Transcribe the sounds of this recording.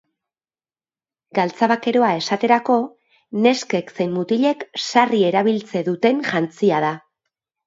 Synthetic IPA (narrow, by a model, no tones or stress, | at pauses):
ɡalt͡saβake̞ɾo̞ae̞sat̪e̞ɾako̞ | ne̞ske̞kse̞jnːut̪iʎe̞ksarie̞ɾaβilt͡se̞ðut̪e̞ŋʝant͡siað̞a